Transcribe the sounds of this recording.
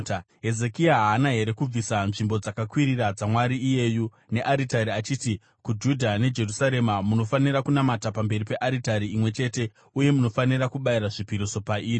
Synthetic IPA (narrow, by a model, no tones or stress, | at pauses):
ɦe̞zekiaɦaːnaɦe̞ɾe̞kub͡visanʐimbo̞d͡zakakwiɾirad͡zamwaɾiːje̞ːju | ne̞ʔaɾitaɾiat͡ʃiːti | kud͡ʒudʱane̞d͡ʒe̞rusaɾe̞mamuno̞fanirakunamatapambe̞ripe̞ʔaɾitaɾiːmwe̞t͡ʃe̞ːte̞ | uje̞muno̞fanirakuɓaiɾaʐipiɾiso̞paiːri